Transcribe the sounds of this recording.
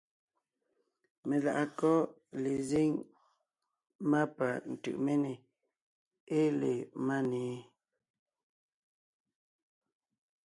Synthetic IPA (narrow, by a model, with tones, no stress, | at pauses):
me˨la̰˨ʔa˨kɔ˦ | le˨ze˦ŋ | ma˦pa˨n̩˨tɯ̰˨ʔme˦ne˨ | e˦le˨ma˦neː˨˦